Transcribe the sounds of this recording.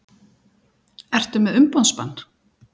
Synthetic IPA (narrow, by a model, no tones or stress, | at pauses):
ɛr̥t̪ʏmɛðʏmpanspa̰nː